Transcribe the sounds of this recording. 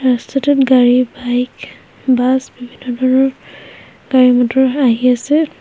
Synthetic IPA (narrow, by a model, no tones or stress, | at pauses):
astʰatɛtɡaɹibajk | basbibʱinːɔdʱɔɹnɔɹ | ɡ̥aɹimatɔaɦiasɛ